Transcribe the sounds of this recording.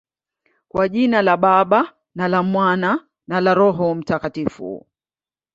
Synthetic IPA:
kwaʄinalaɓaɓa | nalamwana | nalaɾɔɦɔm̩takatifṵ

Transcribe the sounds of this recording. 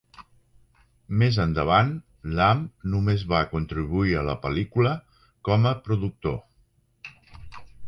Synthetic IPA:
mezənd̪əβ̞an | lamnumezβakunt̪ɾiβ̞uiələpəlikulə | kɔməpɾuðuk̚t̪o̰

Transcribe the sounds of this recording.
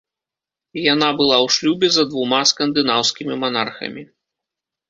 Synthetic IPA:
jan̪abɨlˠawʂlʲubʲɛzɐd̪vumaskɐnd̪ɨnawskʲimʲimanarxɐ̰mʲi

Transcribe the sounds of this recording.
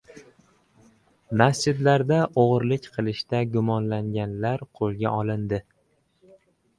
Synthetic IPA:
masd͡ʒɪd̪laɾd̪aʔoʁɾlɪkʲqʰɨlˠɪʃt̪aɡʊmɒnlaŋɡʲanlaɾqʰolˠɡʲa̰ʔɒlˠɪnd̪ɪ

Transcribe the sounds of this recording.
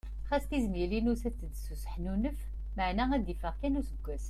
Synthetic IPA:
χæst̪izmjəlinusæt͡sːəd̪susə̥ħnunəf | maʕnææd̪ifəʁkænusəɡːæs

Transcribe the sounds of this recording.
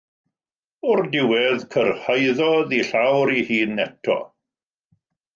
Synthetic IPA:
ʊrdɪwɛðkʰərhajðɔðiɬawɾihiːnːɛtʰɔ̰

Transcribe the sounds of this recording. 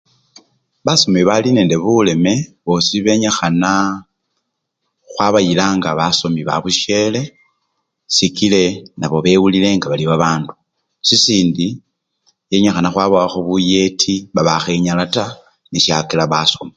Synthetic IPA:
βaso̞miβaline̞ːnde̞βule̞me̞βosiβe̞ɲaxana | xwaβajilaːŋɡaβaso̞miβa̰βuʃe̞le̞ | sikile̞naβo̞βe̞ːwulile̞ŋɡaβaliβaβaːndu | sisiːndi | je̞ɲaxanaxwaβoaxoβuje̞tʰiβaβaxe̞ɲalata | niʃakelaβasomi

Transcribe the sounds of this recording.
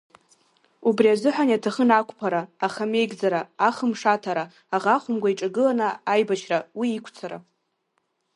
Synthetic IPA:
ubriazɨħʷᶣanatʰaχənakʷʰʼpʰaɾaːχame̞jɡʲd͡zaɾaaχəmʂatʰaɾaː | ʁaχʷʊmɡʷaiʈ͡ʂʼaɡɨlanaajbat͡ʃʰrawiːkʷʰt͡sʰaɾa̰

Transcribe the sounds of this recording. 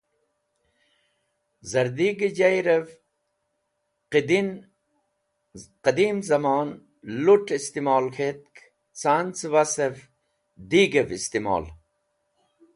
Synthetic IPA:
zɐɾd̪iːɡed͡ʑajɾev | qid̪in | qɐd̪iːmzɐmaːn | luʈist̪imɔːlxʰet̪̚k | t͡saːnt͡swasev | d̪iːɡevist̪imo̰ːl

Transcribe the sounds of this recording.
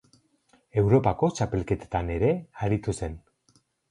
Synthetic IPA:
e̞wɾo̞pako̞t͡ʃape̞lke̞t̪ḁt̪ane̞ɾe̞aɾit̪use̞n

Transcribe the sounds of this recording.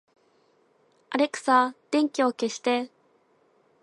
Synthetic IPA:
aɾe̞kɯ̥sad̪̥ẽ̞ŋkʲio̞ke̞ɕi̥t̪e̞

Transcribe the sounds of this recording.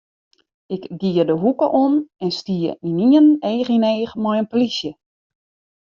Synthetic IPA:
ɪkɡiədəɦukəʔonɛnstiə̰iniəneːxineːχmɔjənplisjə

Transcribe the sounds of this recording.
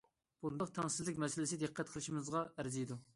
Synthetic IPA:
b̥und̪ʊq̚t̪ʰɛŋsɪzlːɪkʲmɛsɪlɪsɪd̪ɨqʰːɛt̪̚qʰəlˠɨʃimɨzʁɑæɾzijid̪u

